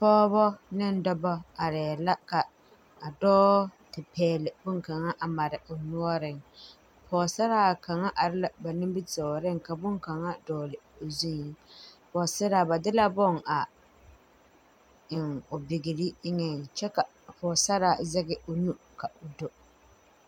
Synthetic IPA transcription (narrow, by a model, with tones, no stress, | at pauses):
pɔː˦bɔ˦nɪ˦n˦dɔ˦bɔ˦a˨ɾɛ˨la˦ka˨ | a˨dɔː˦tɪ˨pʰɛː˨lɪ˨bʊ˦ŋka˨ŋa˦ʔa˨ma˨ɾɪ˨o˨nu˦ɔ˦ɾɪ˦ŋ | pʰɔː˨sa˦ɾa˦˨ka˨ŋa˦ʔa˨ɾɪ˦la˨ba˨nɪ˦mbɪ˦tɔ˨ɾɪ˦ŋka˨bʊ˦ŋ˦ka˨ŋa˦dɔː˨lɪ˨o˨zu˦˨˦pɔː˨sɛ˦ɾa˨ba˨dɪ˦la˦bɔ˦˨ŋa˨ | ɪ˨ŋo˨bɪ˨ɡɪ˨li˦ɪ˦ŋɛ˨t͡ʃɛ˦ka˨ | pɔː˨sa˦ɾa˨zɛ˦ɡɪ˦˨o˨nu˦ | ka˨o˨do˨